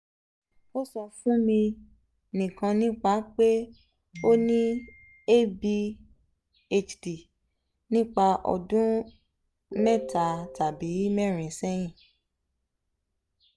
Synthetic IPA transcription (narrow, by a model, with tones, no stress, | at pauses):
o˦sɔ˧fũ˦mĩ˧ | nĩ˨kã˧nĩ˦k͡pa˦k͡pe˦ | o˦nĩ˦ | e˦bi˧ | e˦t͡ʃdi˨ | nĩ˦k͡pa˧ʔɔ̰˨dũ˦ | mɛ̃˦˨ta˨ta˨bi˨˦mɛ˦˨ɾ̃ĩ˨sɛ˦j̃ĩ˦˨